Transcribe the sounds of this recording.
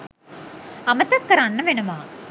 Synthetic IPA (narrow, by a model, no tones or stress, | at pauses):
ɐmɐt̪ɐkːɐɾanːɐʋenɐmaː